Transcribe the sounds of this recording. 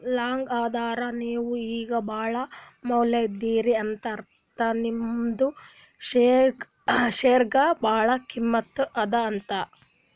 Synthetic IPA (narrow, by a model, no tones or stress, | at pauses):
laːŋɡaːd̪aːɾɐniːʋuiːɡɐbʱaːɭɐmɐwleid̪ːiːɾiɐnt̪ɐɾ | t̪ɐnimd̪u | ʃeː | ʃeːɾɡɐbʱaːɭɐkimːɐt̪ːʔɐd̪ɐːnt̪ɐ